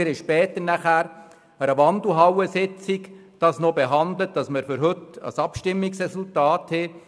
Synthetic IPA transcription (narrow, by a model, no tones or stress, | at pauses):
ɪɾɪʃpɛːtənæχæːɾ | əɾəʋɑndl̩ˠɦɑwəsɪt͡sikd̥ɑsnobeɦɑnd̪lət̚d̥ɑsməɾfʏɾɦɵtɑ̰sɑpʃtɪmːiksrɛsultɑːthɛ